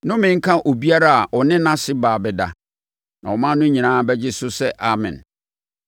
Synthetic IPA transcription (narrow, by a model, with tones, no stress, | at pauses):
nʊ̃˦mɪ̃˨ŋ̩˦kʰã˦ʔo˨bi˦a˦ɾa˦a˨ʔɔ˨nɪ̃˦nã˦sɪ˦baː˨bɛ˨da̰˨ | nã˨wɔ˨mã˦nʊ̃˦ɲĩ˨nãː˦bɛ˦d͡ʑɪ˦sʊ˦sɛ˦ʔa˨mɪ̰̃˨n